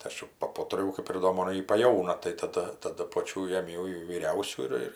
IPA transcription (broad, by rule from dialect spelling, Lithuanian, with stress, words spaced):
tɐɪ ˈɐʃ jʊ pɐˈpʊtʲrʲɪjɛʊ kɐp ɪr ˈdoː ˈmoːn ˈjɪ pɐˈjɛʊnɐ tɐɪ tɐˈdɐ tɐˈdʊ ˈpoːt͡ʃʲuː jeːˈmʲɛʊ jɛʊ ʋʲiːˈrʲɛʊsʲuː ɪr ˈɪr